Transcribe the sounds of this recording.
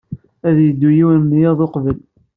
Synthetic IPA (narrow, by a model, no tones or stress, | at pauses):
æðjəd̪ːujiwmːjɑðˤoqvəl